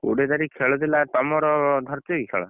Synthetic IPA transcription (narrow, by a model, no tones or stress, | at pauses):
ṵɽed̪aɾikʰeɭɔd̪ilat̪ɔmɔɾɔd̪ʱɔɾt̪ɔikʰɛ̰ɭɔ̰